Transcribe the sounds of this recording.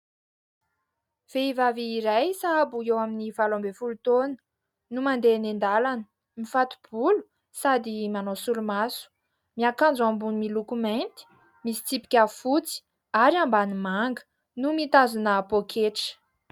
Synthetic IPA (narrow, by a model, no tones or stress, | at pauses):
v̥eivaviːɾajsaabuewaminivalombefulut̪onə̥ | numand̪enend̪alanə | mifat̪u̥b̥ulu̥ | sad̪imanosulumasu̥ | miakand͡zuambunimilukument̪i̥ | misi̥t͡sipi̥kʲafut͡si̥ | aɾiambanimaŋɡə̥ | numit̪azunəpokʰeʈ͡ʂə̥